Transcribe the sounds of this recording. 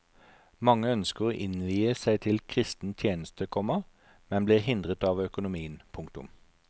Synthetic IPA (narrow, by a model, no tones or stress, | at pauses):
mɑŋːəœnskəʁoːʔɪnʋiːəsæɪt̪ʰɪlkʰʁɪst̪n̩t̪ʰjeːnəst̪əkʰɔməʁ | mɛnbliːʁhɪnd̪ʁət̪ɑːʋœkʊnʊmiːənpʰʊŋk̚t̪ʊ̰m